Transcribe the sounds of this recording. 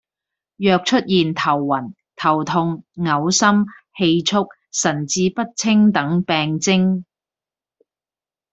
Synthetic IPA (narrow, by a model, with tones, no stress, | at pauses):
jœː˧k̚t͡ʃʰɵ˥t̚jiː˨nt̪ʰɐ˨˩wːɐ˨˩n | t̪ʰɐ˨˩wt̪ʰʊ˧ŋːɐ˨˧˥wsɐ˥mhe˧jt͡sʰʊ˥k̚ | sɐ˨˩nt͡siː˧pɐ˥t̚t͡sʰɪ˥ŋt̪ɐ˨˥ŋpɛː˧ŋt͡sɪ˥ŋ